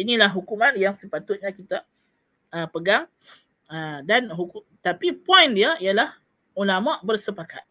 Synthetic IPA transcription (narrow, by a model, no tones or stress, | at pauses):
inilaɦɦukumãnjaŋsəpat̪ʊt̪̚ɲãkit̪a | əpəɡaŋ | ədanɦuku | t̪apipɔjndiaijalah | ulamãʔbərsəpaka̰t̪̚